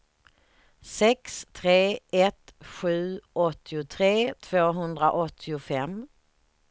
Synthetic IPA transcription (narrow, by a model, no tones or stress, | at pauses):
sɛkst̪ʰɾeːɛt̪ɧʉ̟ːʔɔt̪ʰːɪʊt̪ʰɾeːt̪ʰv̥oːɦɵnd̪ɾaʔɔt̪ʰːɪʊfɛm